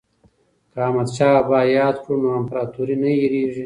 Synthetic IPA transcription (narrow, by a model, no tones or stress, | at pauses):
kaːmat̪t͡ʃaːbaːjɑːd̪kunoampɾaːt̪uɾinɐjiɾiːʒi